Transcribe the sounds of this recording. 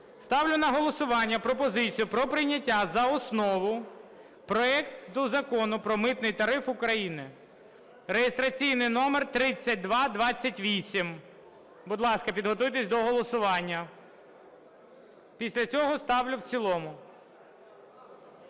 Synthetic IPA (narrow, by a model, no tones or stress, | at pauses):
st̪ɑwlʲʊnɐɦɔlˠɔsʊʋɑnʲːɐpɾɔpɔzɪt͡sʲijʊpɾɔpɾɪjnʲɐtʲːazɐɔsnɔʋʊ | pɾɔɛkt̪ʊzɐkɔnʊpɾɔmɪt̪nɪjt̪ɐɾɪfʊkɾɐjinɪ | ɾejest̪ɾɐt͡sʲijnɪjnɔmert̪ɾɪt͡sʲːɐt̚ʲd̪ʋɑd̪ʋɑt͡sʲːɐtʲʋʲisʲim | bʊd̪lˠɑskɐpʲid̪ɦɔt̪ujt̪esʲd̪ɔɦɔlˠɔsʊʋɑnʲːɐ | pʲisʲlʲɐt͡sʲɔɦɔst̪ɑwlʲʊwt͡sʲilˠɔmʊ